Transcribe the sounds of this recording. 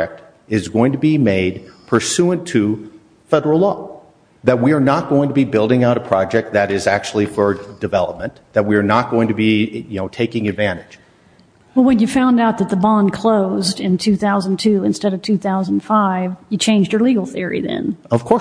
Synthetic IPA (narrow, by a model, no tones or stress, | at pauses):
ɛk̚t | ɪzɡoʊɪ̃ŋtʰəbimeɪd̚pʰə˞sʉɨ̃ntʰɨ | fɛɾə˞l̩ˠlɔ | ðɨt̚wiə˞nət̚ɡ̥oʊɪ̃ŋtʰəbibɪlˠdɪ̃ŋaʊɾəpʰɹ̥ɑd͡ʒɛk̚t̪̚ðɨɾɪzæk̚t͡ʃul̩ˠifə˞dɨvɛlˠəp̚mɨ̃nðɨt̚wiə˞nət̚ɡ̥oʊɪ̃ŋtʰɨbijɨnoʊtʰeɪkɪ̃ŋɨdvæ̃ɾ̃ɨ̥ʒ̥ | wɛlˠwɨ̃njɨfãʊ̃ndaʊt̪̚ðɨt̪̚ðəbɑ̃nkʰl̥oʊzdɨ̃ntʰʉθaʊzə̃n̩tʰʉɨ̃nstɛɾʌv̥tʰʉθaʊz̃n̩faɪvjɨt͡ʃʰẽɪ̃nd͡ʒd͡ʒə˞liɡl̩ˠθɪɹḭðɨ̰̃nʌv̥kʰɔ